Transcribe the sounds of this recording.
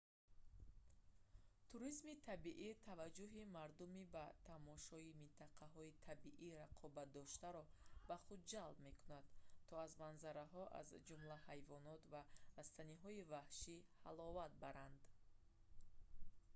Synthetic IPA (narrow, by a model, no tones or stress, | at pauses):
t̪ʰuɾizmit̪ʰabiʔit̪ʰavad͡ʒːuɦimaɾd̪umibat̪ʰamɔʃɔimint̪ʰaqʰaɦɔit̪ʰabiʔiɾaqʰɔbat̪̚d̪ɔʃt̪aɾɔbaχud̪̚d͡ʒalb̚me̞kʰunad̪t̪ʰːɔazmanzaɾaɦɔʔa̰zd͡ʒumlahajvɔnɔt̪vaːst̪ʰaniɦɔivahʃiha̰lɔvat̪̚baɾand̪